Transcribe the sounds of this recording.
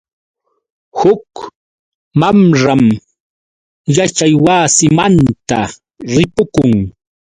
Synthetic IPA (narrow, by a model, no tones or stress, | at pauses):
hʊk | mamɾam | jat͡ʃajwaːsɪmant̪a | ɾɪpʊkʊŋ